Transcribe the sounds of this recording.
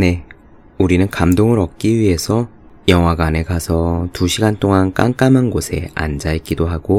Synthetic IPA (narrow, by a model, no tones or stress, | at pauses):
ne̞ | uɾinɯnkamdoŋɯɾʌk̚k͈iɥie̞sʰʌ | jʌŋwaɡane̞ɡasʰʌtuɕʰiɡant͈oŋank͈aŋk͈amɯnɡosʰe̞̰a̰nd͡ʑaik͈idoɦaɡ̥o